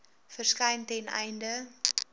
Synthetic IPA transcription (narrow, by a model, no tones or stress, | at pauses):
fərskɛjntɛnɛ̰jndə